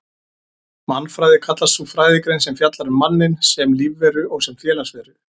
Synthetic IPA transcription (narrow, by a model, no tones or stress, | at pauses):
manːfɾaːjðɪkʰat̪last̪θufɾaːjðɪkɾejnsɛmfjat̪laɾʏmːanːɪnsɛmliːvːɛɾʏɔɣsɛmfjɛːlasvɛːɾʏ